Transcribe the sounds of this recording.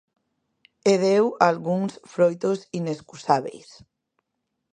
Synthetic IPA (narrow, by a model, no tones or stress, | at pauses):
eðewalɣuŋsfɾojt̪osineskusaβḛjs